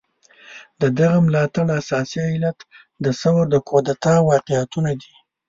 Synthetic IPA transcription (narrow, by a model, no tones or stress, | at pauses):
d̪əd̪aɣamlɑt̪aɽasɑsiajlat̪ | d̪əsawaɾd̪əkʰod̪at̪ɑwɑqɪjat̪unad̪i